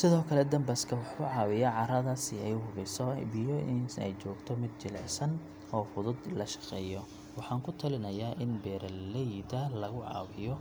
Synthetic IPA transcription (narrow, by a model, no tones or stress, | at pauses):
sɪðɔːkʰɐlɛd̪ɐmbɐskʰɐwɑħʊʕɑːwɪjaʕɑɾɐðasɪɛjʊhʊβɛsɔbɪjɔɪnɛ̰jt͡ʃɔːɡt̪ʰɔmɪd̪̚t͡ʃɪlɛ̰sɐn | ɔːfʊðʊd̪lɐʃɐ̥qɛːjɔ | wɑħɑːŋkʰʊt̪ʰɐlɪnɐjaːʔɪnbɛːɾɐlɛjd̪ɐlɐɣʊʕɑ̰ːwɪjɔ